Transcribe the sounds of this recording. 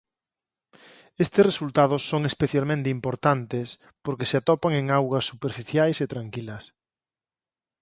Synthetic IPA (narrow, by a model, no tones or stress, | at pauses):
est̪ɪsresult̪aðʊsːoŋespeθjalmẽnt̪ɪimpoɾt̪ant̪es | poɾkeseat̪ɔpaŋeŋawɣɐsːupeɾfiθjajset̪ɾaŋkilɐs